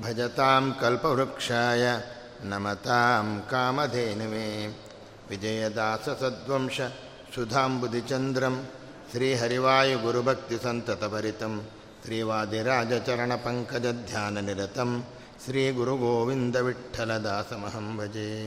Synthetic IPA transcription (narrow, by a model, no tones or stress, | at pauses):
bʱɐd͡ʒɐt̪aːmkɐlpɐʋɾukʂaːjɐ | nɐmɐt̪aːmkaːmɐd̪ʱeːnɐʋeː | ʋid͡ʒɐjɐd̪aːsɐsɐd̪ʋɐmʂɐ | sud̪ʱaːmbud̪ʱit͡ʃɐnd̪ɾɐm | ʃɾiːɦɐɾiʋaːjuɡuɾubʱɐk̚t̪isɐnt̪ɐt̪ɐbɐɾit̪ɐm | ʃɾiːʋaːd̪iɾaːd͡ʒɐt͡ʃɐɾɐɳɐpɐŋkɐd͡ʒɐd̪ʱjaːnɐniɾɐt̪ɐm | ʃɾiːɡuɾuɡoːʋind̪ɐʋiʈʰːɐlɐd̪aːsɐmɐɦɐmbɐd͡ʒeː